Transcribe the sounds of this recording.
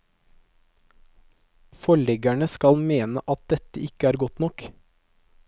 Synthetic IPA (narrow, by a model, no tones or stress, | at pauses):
fɔɭɛɡæɳəskɑlmeːnə̰ʔɑt̪̚d̪ɛt̪əɪkəæːɾɡɔt̪nɔk